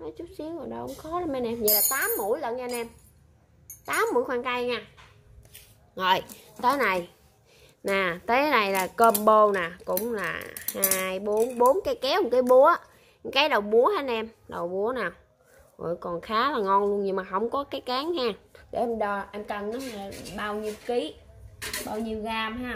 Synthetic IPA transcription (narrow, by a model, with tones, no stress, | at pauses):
nɔ˨˦t͡ɕu˦˥t̚si˨˦əŋvaː˨˩ɗɔ˧ʔʊ̰˧˥˦ŋ͡mxɔ˨˦ɗa˧m˧nʔɛ˧mɲə˨˩laː˨˩t̪aː˨˦mːṵ˧˩˨jlə˧˨nɲaː˧nʔɛ˧m | t̪aː˨˦mːṵ˧˩˦jxwaː˧nka˧jɲaː˧ | zo˨˩j | t̪əː˨˦jna˨˩j | naː˨˩t̪əː˨˦ɗa˨˩jlaː˨˩kəː˧mɓo˧naː˨˩kʊ̰˧˥ŋ͡mla̰ː˨˩haː˧jɓo˨˦nɓo˨˦nkaː˨˦jkɛ˨˦hʊ˨ŋ͡mkaː˨˦jɓu˨˦ə˦ | ŋkaː˨˦jɗə˨˩wɓu˨˦əhaː˨˦n̚ʔɛ˧m | ɗə˨˩wɓu˨˦ənaː˨˩w | ɣo̰˧˨˩jkɔ˨˩nxaː˨˦laː˨˩ŋɔ˧nlənɲɨ˧ŋmaː˨˩ɦə˧wŋ͡mkɔ˨˦kaː˨˦jkaː˨˦ŋhaː˧˩kḛ˧˩˨ʔɛ˧mɗɔ˧ʔɛ˧mkə˨˩nʔa˨˦˨a˨˩ɓaː˧wɲi˧əwki˨˦ | ɓaː˧wɲi˧əwɣaː˧mɦaː˧